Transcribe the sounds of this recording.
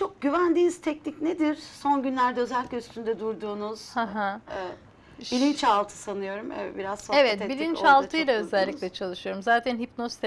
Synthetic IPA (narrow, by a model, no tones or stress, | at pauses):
t͡ʃʰo̞k̚ɟyvænd̪iːniz̥t̪ʰɛcnicned̪iɾ̥so̞nɟynlʲæɾd̪ɛøzɛlʲiclʲɛyst̪ʰynd̪ɛd̪uɾd̪uːnuz̥haɦa | bilʲint͡ʃalˠt̪ʰɯ̥sanɯjo̞ɾumɛ̰biɾazsoevɛt̪bilʲint͡ʃalˠt̪ʰɯjlˠaø̞zælʲːicʲlʲɛt͡ʃʰalˠɯʃɯjo̞ɾumzaːt̪ʰænɦipnost̪ʰ